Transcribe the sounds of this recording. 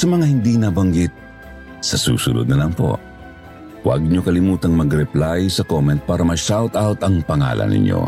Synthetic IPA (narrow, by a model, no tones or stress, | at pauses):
sɐmɐŋahɪnd̪inabɐŋɡit̪̚ | sɐsṵːsʊnʊd̪̚nɐlɐŋpo̞̰ | wɐ̰ɡ̚ɲokɐlɪmuːt̪ɐŋmɐɡɾɛplajsɐkomɛnt̪̚paːɾɐmɐʃawt̪awt̪ɐŋpɐŋa̰ːlʔɐ̰nʔɪ̰ɲʔo̞̰